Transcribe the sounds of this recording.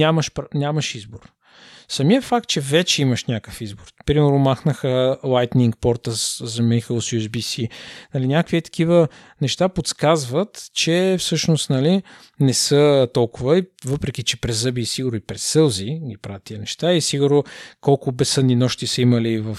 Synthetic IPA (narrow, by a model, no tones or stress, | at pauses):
nʲaməʃpnʲaməʃizboɾ | sɐmiəfak̚t̪̚t͡ʃɛvɛt͡ʃɛiməʃnʲakə̥fizboɾpɾimɛɾnʊmaxnəxəlˠajt̪niŋkpɔɾt̪əszɐmixəlˠsjuzbisinɐlinʲakvit̪ɐ̥kivə | nɛʃt̪apot̪skazvət̪t͡ʃɛfsɤʃnost̪nɐli | nɛsət̪ɔlˠkʊvəivɤpɾɛk̟it͡ʃɛpɾɛzɤbiːsiɡʊɾnoipɾɛssɤlˠziɡʲipɾavət̪ːiənɛʃt̪aisiɡʊɾnokɔlˠkʊbɛsɤd̪ninɔʃt̪isəiməlivəf